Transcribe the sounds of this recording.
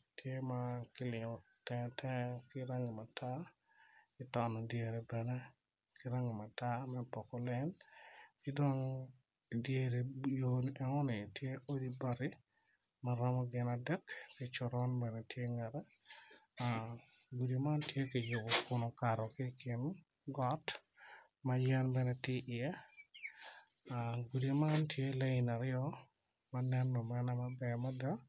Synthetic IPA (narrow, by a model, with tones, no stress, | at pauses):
tʰje˦makɪ˦lɪ˨ŋɔ˨ | tɛtʰɛkɪ˦ɾa˦ŋi˨ma˨tʰa˦ | ɪtɔ˨nɔ˨dje˨ɾe˨bɛ˨nɛ˦ | kɪ˦ɾa˦ŋɪ˨ma˨ta˦mɛ˦pɔ˨kɔ˦lɛ˦nkɪ˦do˦ŋ | dje˦ɾe˨jonʔɛ˦ŋɔ˦nɪ˨tje˦ʔo˦diba˦ɾɪ˦ | maɾa˦mɔ˦ɡɪ˨na˨dɛ˦kkɪt͡ʃʊ˨ɾɔ˦nbɛ˨nɛ˨tje˦ŋɛ˨ɾɛ˦ | a˨ɡu˨de˨ma˦ntje˦kɪ˨jʊ˨bɔ˨kʊ˦no˨ka˨ɾɔ˨kɪ˦kɪ˦n | ɡɔ˦t | ma˦jɛ˦nbɛ˨nɛ˨tɪ˦ʔɪ˨ɛ˦ | a˨ɡu˨di˨ma˦ntje˦le˦ɪ˨na˨ɾɪɔ | ma˦nɛ˦nːɔ˨mɛ˦nɛ˦mabɛ˨ma˦da˦